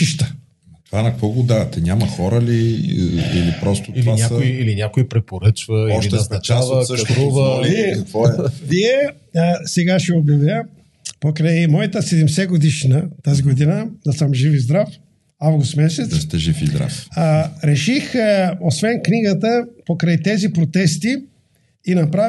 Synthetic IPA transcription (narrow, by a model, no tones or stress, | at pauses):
iʃt̪ə̥ | t̪ovanɐkkvɔɡod̪aɾɛt̪ɛnʲamɐxɔɾəlḭ | ḭlipɾɔst̪o̥ilivanʲasoiiilinʲakoipɾɛpoɾət͡ʃvəʃit̪ɛznɐt͡ʃavɐsəʃɾuvəviɛɐkvɔɛviɛ | sɛɡaʃɛobjɐvʲə | pokɾajmɔjɐt̪əsɛd̪ɛmsɛɡod̪iʃnət̪aziɡod̪inəd̪ɐsəmʒifizd̪ɾaf | avɡust̪mɛsɛt̪st̪ɛʒifizd̪ɾa̰fɾɛʃixosvɛnkniɡət̪əpokɾajt̪ɛzipɾot̪ɛst̪i | inɐpɾa